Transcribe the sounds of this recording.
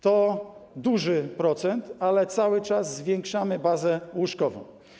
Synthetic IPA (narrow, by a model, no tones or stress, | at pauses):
t̪ɔd̪uʐɘpɾɔt̪sɛnt̪alɛt̪sawɘt͡ʂazːvʲjɛŋkʂamɘbazɛwuʂkɔvɔ̰̃w̃